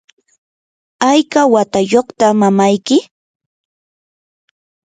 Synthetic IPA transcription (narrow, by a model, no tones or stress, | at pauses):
ajkawat̪ajoχt̪amamajkɪ